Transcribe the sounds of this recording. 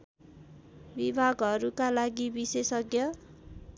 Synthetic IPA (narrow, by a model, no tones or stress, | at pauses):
bibʱaɡʌɾukalaɡibisesʌɡjʌ